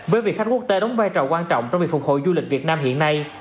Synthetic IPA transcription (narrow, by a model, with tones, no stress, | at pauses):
vəː˨˦jvi˨˩ək̚xa˥k̚kk̚t̪e˨˦ɗa˨˦wŋ͡mvaː˧jt͡ɕɔ˨˩wkwaː˧nt͡ɕɔ̰˧˨wŋ͡mt͡ɕɔ˧ŋ͡mv̚fʊ˨˩k͡p̚ho̰˧˨jzu˧lï˨˩k̟̚vi˨˩ət̚naː˧mɦḭ˧˨ənːa˧j